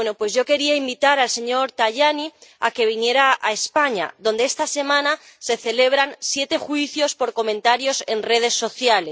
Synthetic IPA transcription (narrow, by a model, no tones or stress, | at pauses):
enopwe̞zʝo̞ke̞ɾiaimbit̪aɾalse̞ɲo̞ɾt̪aʝania̰ke̞β̞inje̞ɾaʔaespaɲa̰ðo̞nd̪eest̪ase̞mãna | se̞θe̞le̞β̞ɾansje̞t̪e̞xwiθjo̞spo̞ɾko̞mẽnt̪aɾjo̞se̞nre̞ð̞e̞sːo̞θjale